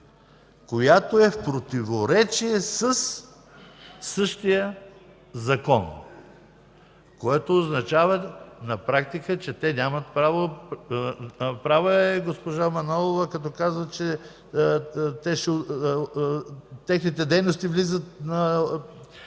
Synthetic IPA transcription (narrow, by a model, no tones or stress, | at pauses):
kojat̪oɛfpɾot̪ivoɾɛt͡ʃiɛsəs | sɤʃt̪ijə | zɐkɔn | koɛt̪oːznɐt͡ʃavɐnɐpɾakt̪ikət͡ʃɛt̪ɛnʲamɐt̪̚pɾavo | pɾavoɛɡospoʒamɐnɔlˠovəkɐt̪ɔkazvət͡ʃɛ | t̪ɛʃɛ | t̪ɛxnit̪ɛd̪ɛjnost̪ivlizət̪nɐ